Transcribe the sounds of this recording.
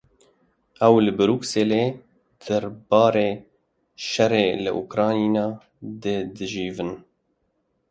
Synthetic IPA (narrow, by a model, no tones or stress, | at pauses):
ʔɛwlɨbɨɾuːkseːleː | d̪̥æɾbɑːɾeː | ʃɛreːlɨ̰ʔukɾɑːniːnɑː | d̪ed̪ɨʒiːvɨn